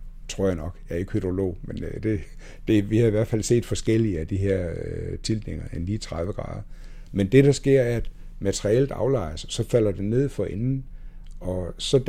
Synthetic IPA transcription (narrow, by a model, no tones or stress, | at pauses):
t͡sʰʁo̝ɐ̰janɒ̽ɡ̥jɑ̈ɐe̝ɡ̥hyd̥ʁo̝lo̝̰ʊːmend̥e̝ | d̥e̝ʋihɑ̈iʋæɐ̰d̥fælse̝̰ːd̥fɒ̽sɡ̥el̰iəæd̥iɦeɐ̰t͡sʰild̥ne̝ŋ̰ɐenliːt͡sʰʁɑðʋəɡ̥ʁɑ̰̈ːðˠ | mend̥e̝ɾ̥ɑ̈sɡ̥e̝ɐ̰æɐɐæd̥ | mæt͡sʰeʁield̥ɑ̈ʊlɑ̈ɪɐsɒ̽sɒ̽fæl̰ɐd̥e̝ne̝ð̞̰ˠfɒ̽enn̩ɒ̽sɒ̽d̥